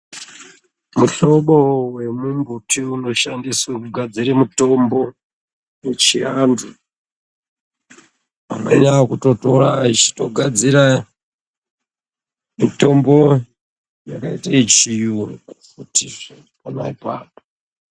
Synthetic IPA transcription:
muɬoɓowe̞mumbutiuno̞ʃandisakuɡʱad͡ziɾemito̞mbo̞ | jet͡ʃiandu | ameɲakuto̞toɾait͡ʃi̥to̞ɡʱad͡ziɾa | mito̞mbo̞ | jakaitait͡ʃijurkukutiʐi | pona̰ipaːpo

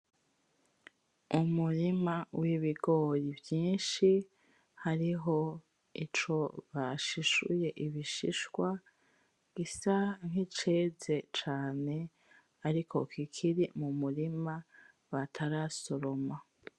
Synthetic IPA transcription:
umuɾimawiβiɡo̞ːɾivjiːnʃi | haɾiɦo̞ | it͡ʃo̞βaʃiʃṵje̞ʔiβiʃiʃwa | ɡ̥isaŋ̥hit͡ʃe̞ːze̞t͡ʃaːne̞ | aɾikʰo̞̰kikʰiɾimumuɾima | βatʰaɾaso̞ɾo̞ma

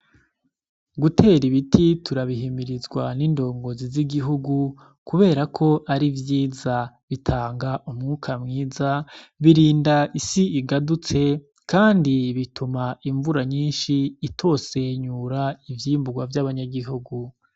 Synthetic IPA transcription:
ɡutʰe̞ːɾiβitʰitʰuɾaβiɦimiɾizɡwanindo̞ːŋɡo̞ziziɡiɦuɡu | kuβe̞ːɾakʰo̞ʔaɾivjiːza | βitʰaːŋɡaʔumŋuːkʰamŋiːzaβiɾiːndaʔisiːɡadut͡se̞ | kaːndiβitumaiɱvuɾaɲiːnʃiːtʰo̞ːse̞ɲuːɾaivjiːmbuɡwavjaβaɲaɡiɦuɡu

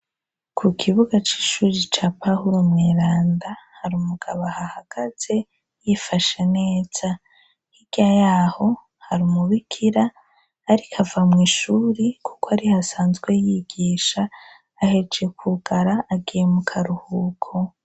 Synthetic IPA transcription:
kʰukʰiβuɡat͡ʃi̥ːʃuːɾit͡ʃaːpahuɾumŋeːɾaːndahaɾimuɡ̥aβahahaɡ̥aze̞ | jifaʃene̞ːz̥a | hiɡ̥ajaːho̞ | haɾimuβikʰiɾaː | ɾikʰavamŋiːʃuːɾikʰu̥koaɾihasaːnzɡwe̞jiɡiːʃaː | he̞d͡ʒe̞kʰuɡaɾaːɡijemukʰaɾuhukʰo̞

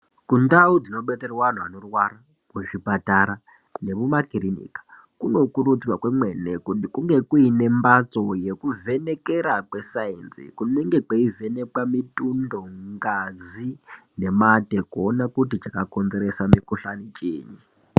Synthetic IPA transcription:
kundaud͡zino̞ɓe̞t͡serwan̤ua̰no̞rwaɾa | kuʐipataɾa | ne̞βumakiɾinḭːkḁ | kuno̞kuɾut͡siwakwemwenekutikuŋɡe̞kuine̞mbat͡so̞jekuve̞ne̞ke̞ɾakwe̞sainsḭkuneŋɡe̞keive̞ne̞kwamitundo̞ŋɡazine̞matekuonakutit͡ʃakako̞nze̞ɾesamikuɬanit͡ʃḛːɲi

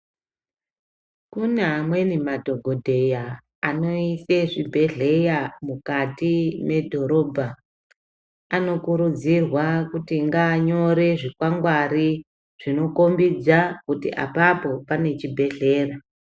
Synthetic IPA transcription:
kunamwe̞nimadʱo̞ɡʱo̞dʱe̞ja | ano̞iseʐibʱe̞ɮe̞jamukatime̞dʱo̞ɾo̞ːbʱa | ano̞kuɾud͡zirwakutiŋɡaːɲo̞ɾe̞ʐikwaŋɡwaɾi | ʐ̥ino̞ko̞mbid͡zakutḭʔa̰papo̞pane̞t͡ʃibʱe̞ɮe̞ːra

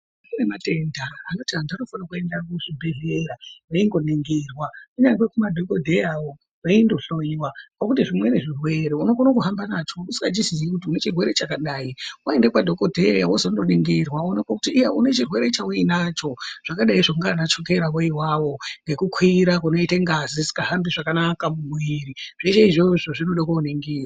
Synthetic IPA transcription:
inemate̞ndaːnotiandano̞fanakue̞ndakuʐibʱe̞ɮe̞ɾaʋaiŋɡo̞niŋɡirwakuɲaŋɡwekumadʱo̞ko̞dʱejawo̞ | ʋaindo̞ɬo̞ɲwakakutiʐimwe̞ne̞ʐirwe̞ɾeuno̞fanakuɦambanat͡ʃo̞usiŋɡad͡ʒiziikut̬iune̞t͡ʃirwe̞ɾe̞t͡ʃakaɗaːiwaende̞pwadʱo̞ko̞dʱejawosondoniŋɡirwanekakutiːjaune̞t͡ʃirwe̞ɾe̞t͡ʃauinat͡ʃo̞ʐ̥akaɗaiʐaŋɡanat͡ʃo̞ke̞ɾawoiwawo̞ŋɡe̞kukʰwiɾakuno̞iteŋɡazisi̥kaɦambiʐakanakamumwiɾiʐ̥et͡ʃeiʐoʐoʐinoɗakouniŋɡiːrwa

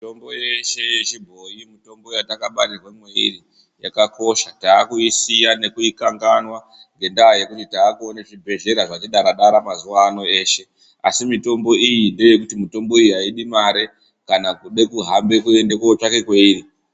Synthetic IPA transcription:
mitombojeʃe̞jet͡ʃibʱo̞jimito̞mbo̞jatakaɓarirwemweḭri | jakako̞ʃataːkuisijane̞kuikaŋɡanwa | ŋɡe̞ndaje̞kutitaːkuoneʐibʱe̞ɮe̞ɾaʐatiɗaɾaɗaɾamazuʋaːno̞e̞ːʃe̞ | a̰simito̞mbo̞ijinde̞je̞kutimito̞mbo̞ijiɦaiɗimaɾe̞ | kanakuɗe̞kuɦambe̞kuende̞koot͡ʃake̞kwe̞iri

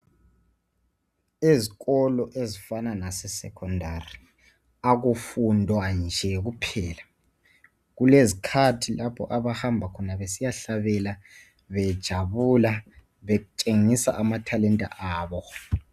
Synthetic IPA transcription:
iziɣɔlɔʔezifananasɛsɛ̰kʰɔndʱari | aɣufundʱwand͡ʒʱɛɣupʰɛːla | ɣulezikʰatʰilʔapʰɔ̰ʔaβahambʱakʰɔnaβesijaɬaβɛla | βɛd̥ʒ̥ʱaβula | βeɣut͡ʃʼeŋisa̰ʔamatʰalɛntʼa̰ʔaːβɔ

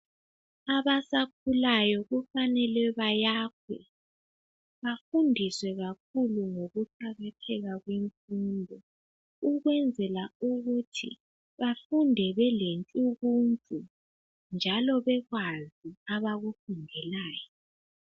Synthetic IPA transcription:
aβasak̚ʰulajɔɣufanɛlɛβajak̚ʰwɛ̰ | βafundʱiswɛɣak̚ʰuluŋoɣuǃaɣatʰɛɣaɣweɱfuːndʱɔ | uɣwɛnd͡zʱɛlauɣutʰḭ | βafundʱɛβɛlent͡ɬʼuɣuntʼu | nd͡ʒʱalɔβɛɣwaziaβaɣufundʱɛlaːjɔ

